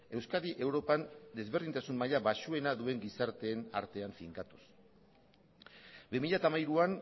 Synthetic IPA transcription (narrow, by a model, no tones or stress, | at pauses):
e̞wskaðiʔe̞wɾo̞pand̪e̞zβe̞rðint̪asunmaʎaβaʃue̞naðue̞ŋɡisaɾt̪e̞ːna̰ɾt̪e̞aɱfiŋkat̪u̥s | bimiʎat̪amajɾuan